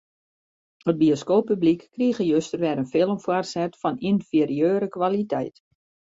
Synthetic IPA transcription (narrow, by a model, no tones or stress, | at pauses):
ət̚bioskoːpːyblikːriɣəjøstərʋɛɾənfɪlˠəmfwɔrsɛtfɔninfiɾiøːɾəkʋalitʰɛjt